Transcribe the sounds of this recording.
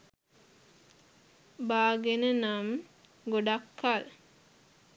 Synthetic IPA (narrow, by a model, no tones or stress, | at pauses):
baːɡenənam | ɡoɖakːal